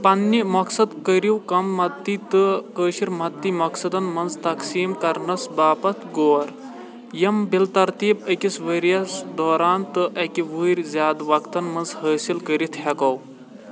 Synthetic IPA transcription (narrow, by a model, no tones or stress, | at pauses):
pɐnːimɐksɐd̪kəɾiwkɐmːɐt̪ːit̪ɨkəːʃiɾmɐt̪ːimɐksɐd̪ɐnmɐnzt̪ɐksiːmkɐɾnɐsbaːpɐt̪ʰɡoːɾ | jɐmbilt̪ɐɾt̪iːbəkisʋəɾijɐsd̪ɔːɾaːnt̪ɨʔɐkiʋuːɾʲzʲjaːd̪ʋɐkt̪ɐnmɐnzhəːsilkəɾit̪ʰhɐkɐw